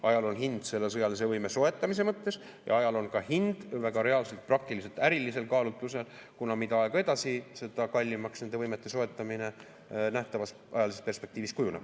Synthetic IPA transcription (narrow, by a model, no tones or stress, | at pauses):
ʔɑjɑlo̞nɦind̪̥se̞lːesɤjɑlis̬e̞vɤjme̞so̞e̞t̪ːˑɑmise̞mɤt̪ːe̞s | jɑ̰ɑjɑlo̞nkɑhind̪̥væɡ̥ɑɾe̞ɑlse̞lt̪̚prɑk̚t̪iliselt̪æɾilːise̞lkɑːlut̪ːˑuse̞lkunɑmid̪ɑɑeɡ̥e̞d̪ɑsise̞d̪ɑkɑlʲːimɑksne̞nd̪e̞vɤjme̞t̪ˑːe̞so̞e̞t̪ːˑɑmine̞ | næht̪ɑvɑs | ʔɑjɑlisest̪pe̞rspe̞kt̪iːvist̪kujuneb̥